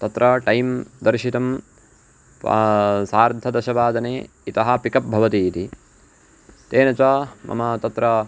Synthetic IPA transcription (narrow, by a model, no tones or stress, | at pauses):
t̪ɐt̪ɾɐʈɐjmd̪ɐɾʃit̪ɐm | saːɾd̪ʱɐd̪ɐʃɐʋaːd̪ɐneː | it̪ɐɦɐ̆pikɐp̚bʱɐʋɐt̪iːt̪i | t̪eːnɐt͡ʃɐmʔɐ̰mɐt̪ɐt̪ɾɐ